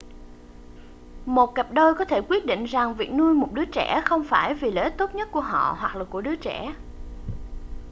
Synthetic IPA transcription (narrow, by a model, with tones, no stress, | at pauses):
mo˨˩t̚kə˨˩p̚ɗoː˧jkɔ˨˦t̪ʰe˧˩kwi˦˥ət̚ɗḭ̈˧˨ŋ̟za˨˩ŋvḭ˨˩ək̚nu˧əjmo˨˩t̚ɗɨ˨˦ət͡ɕɛ˧˩xə˧wŋ͡mfaː˧˩jvi˨˩le˨˦t̪o˦˥t̚ɲə˦˥t̚ku˧˩əɦɔ̰˧˨hwa˨˩k̚laː˨˩ku˧˩əɗɨ˨˦ət͡ɕɛ˧˩